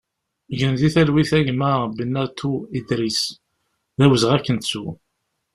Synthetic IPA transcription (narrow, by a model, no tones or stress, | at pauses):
ʝənðiθælwiθæʝməbənːæt̪ʰːuid̪ɾis | ðæwəzʁækːənt̪su